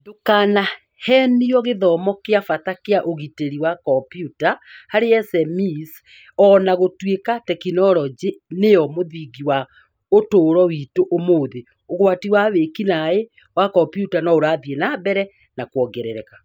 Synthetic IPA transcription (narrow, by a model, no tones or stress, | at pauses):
dokaːna | hɛːniɔɣeðɔmɔkeafatakeaʔoɣiteɾiwakɔpjutahaɾeɛsɛmis | ɔnaɣotwekatɛkinɔɾɔd͡ʒenejɔmoðiɣiwa | otoːɾɔwiːtoʔomoːðe | oɣwatiwaβekinae | wakɔmpjutanɔoɾaːðienaːbɛɾɛ | nakwɔɡɛɾɛɾɛka